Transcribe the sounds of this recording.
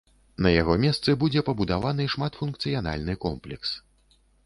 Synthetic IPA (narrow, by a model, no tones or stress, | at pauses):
nɐjaɣɔmʲɛst̪sɨbud͡zʲɛpɐbud̪avanɨʂmat̪funk̚t̪sɨjana̰lʲnɨkɔmplʲɛks